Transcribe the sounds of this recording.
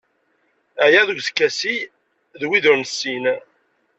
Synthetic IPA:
æjæðuɡʷθə̥kːæsi | ðwiðʊɾnəsːin

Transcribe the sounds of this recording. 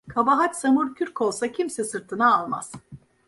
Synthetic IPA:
kʰabaɦat͡ʃsamuɾcʰyɾko̞lˠsacʰimsɛsɯɾt̪ʰɯnaːlˠma̰z̥

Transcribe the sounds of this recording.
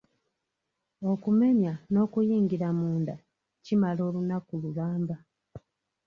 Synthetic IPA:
o̞kume̞ɲano̞kujiːŋɡiɾamuːnda | cimalo̞ːlunakululaːmba

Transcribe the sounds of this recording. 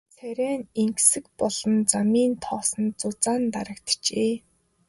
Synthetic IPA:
t͡sʰæɾʲæːneŋksɘ̆kpɔɮ̥ɞ̆nt͡samiːnt̪ʰɔːsɞ̆nt͡sʊt͡saːnt̪aɾə̆kt̪t͡ɕeː

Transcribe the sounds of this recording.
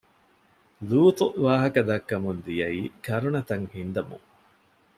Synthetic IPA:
luːt̪uʋaːɦɐkɐd̪ɐkːɐmund̪ijɐiːkɐɾunɐt̪ɐŋhind̪ɐmṵŋ

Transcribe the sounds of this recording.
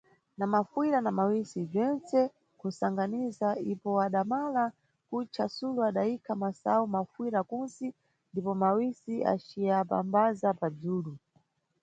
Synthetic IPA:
namafiɾanamawisib͡ʐɛnt͡sɛ | kusaŋɡanizaipɔaɗamala | kut͡ʃasuluaɗaikʰamasa̰umafwiɾakunsi | ndipɔmawisia̰t͡ʃiapa̰mbazapad͡zuːlu

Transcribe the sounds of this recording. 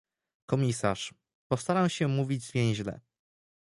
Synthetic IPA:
kɔmʲisa̰ʂ | pɔfst̪aɾawɕɛmuvʲid͡ʑvʲjɛ̃j̃ʑlɛ̰

